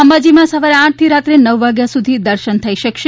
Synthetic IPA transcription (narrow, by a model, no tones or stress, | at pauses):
əmbad͡ʒimãsəʋaɾeãʈ̚ʰt̪ʰiɾat̪ɾenəʋːaɡjasud̪ʱid̪əɾʃənt̪ʰəiʃəkʃe